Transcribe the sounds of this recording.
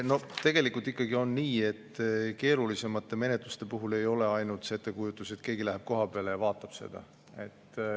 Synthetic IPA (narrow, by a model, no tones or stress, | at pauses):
no̞t̪e̞ɡe̞likˑult̪ːˑikːˑɑɡ̥io̞nːiːe̞t̪ːke̞ːɾulise̞mɑt̪ˑːe̞me̞ne̞t̪lust̪e̞puɦule̞jo̞le̞ɑjnult̪set̪ˑːe̞kujut̪ːˑuse̞t̪ke̞ːɡ̥ilæɦeb̥̚ko̞ɦɑpeɑlejɑvɑːt̪ːˑɑb̥se̞̰d̪̥ɑ̰ | e̞t̪ː